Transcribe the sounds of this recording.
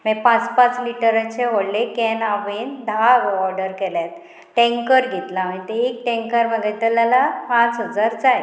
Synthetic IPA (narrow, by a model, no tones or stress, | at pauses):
mepãt͡spãt͡sliʈəɾət͡ɕeɦoɽlekɛnaʋind̪ʱaɡɔɾɖəɾkɛljat̪ | ʈẽŋkəɾɡʱet̪lamə̃it̪eek̚ʈẽŋkəɾməɡɛt̪alalapãt͡sɦəd͡zaɾd͡zaj